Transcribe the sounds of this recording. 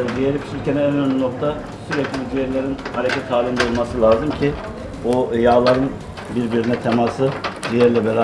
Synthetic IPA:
d͡ʒ̪ijeɾipʰi̥ʃilʲcʰɛnænønlʲyno̞k̚t̪ʰa | syɾeclʲizijɛɾlʲeɾinhaɾecʰʲɛt̪ʰːaːlʲimd̪oolˠmasɯlˠaːzɯmcʰi | ojaːlˠaɾɯn | biɾbiɾinɛt̪ʰemasɯd͡ʒ̪ijɛɾlʲɛbeɾa

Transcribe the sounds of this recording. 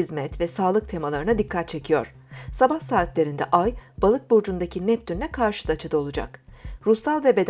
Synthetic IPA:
izmɛt̪vɛsaːlˠɯk̚t̪ʰe̞malˠaɾɯnad̪ikʰːat̪̚t͡ʃʰe̞cʰijo̞̰ɾ̝̥ | sabahsaːt̪lʲe̞ɾind̪ɛ̰ʔajbalˠɯk̚buɾd͡ʒund̪acʰinɛp̚t̪ynnʲɛkʰaɾʃɯ̥d̪at͡ʃʰɯd̪ao̞lˠud͡ʒa̰kɾusalˠvɛbe̞d̪

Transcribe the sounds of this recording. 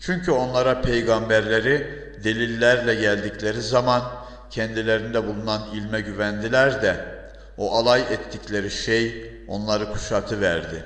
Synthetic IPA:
t͡ʃʰyɲcʰyo̞nlˠaɾapʰejɡambæɾlʲe̞ɾi | d̪e̞lʲilʲːæɾlʲɛɟælʲd̪iclʲe̞ɾizaman | cʰɛnd̪ilʲe̞ɾind̪ɛbulˠunanilʲmɛɟyvænd̪ilʲæɾd̪ɛ | oʔalˠajɛt̪ʰːiclʲe̞ɾiʃej | o̞nlˠaɾɯkʰu̥ʃat̪ʰɯvæɾd̪ɪ

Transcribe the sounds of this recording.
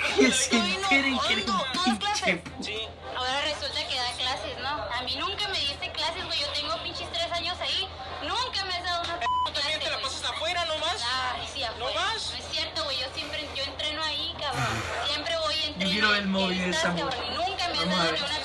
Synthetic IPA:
keseŋnoeɾeŋkeɾepinat͡ʃepsi | aoɾaresult̪ake̞ðaklasesnoamĩnũŋkame̞ðist̪eklasezweʝot̪e̞ŋɡopint͡ʃist̪ɾesaɲo̞sai | nũŋkameazðaðounapeamjenelapasaest̪afweɾanomasasiafoemasoesje̞ɾt̪oɣweʝo̞sjempɾeʝo̞ent̪ɾe̞no̞aikaβɾosjempɾeβojent̪ɾiɾoelmoβiðesamoɾnũŋkameazmouna

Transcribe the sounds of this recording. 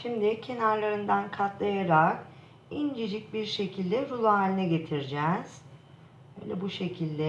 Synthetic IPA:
ʃimd̪ɪcʰe̞naɾlˠaɾɯnd̪ankʰat̪lˠajaɾak | ind͡ʒed͡ʒic̚biɾʃe̞cʰilʲd̪ɛɾulˠaaːlʲinɛɟe̞t̪ʰiɾd͡ʒɛz̥ | bø̰ːjlʲɛbuʃe̞cʰilʲd̪ɛ

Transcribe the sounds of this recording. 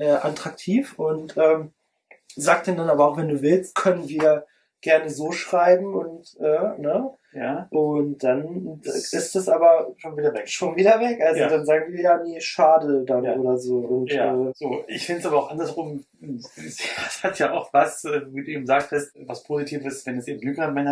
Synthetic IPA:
ʔɛːʔatʁ̥ak̚tʰiːfʔʊntʔɛːm | zaːk̚t̚d̥eːndanaːbɐaʊxv̥ɛnduːvɪlst̚kʰœnənviːɐ | ɡ̥ɛɐnəzoːʃʁ̥aɪbm̩ʊntʔɛːnə | ʔʊnt̚d̥an | ɪstd̥asʔaːbɐʃoːnviːdɐvɛkʃoːnviːdɐvɛkʔalzjodanzaːɡŋ̩viːɐjaːnəʃaːdədanʔʔoːɾɐzoːʔʊntːɛːz̥oːʔɪ̰çfɪndəsʔaːbɐaʊxʔandɐsʁʊm | sshatjaʔaʊxvasɛːvoviːduːʔeːbm̩zaːk̚tʰɛstvaspʰoːzitʰiːvəsvɛnɛsʔeːbm̩nykənmɛnɐ

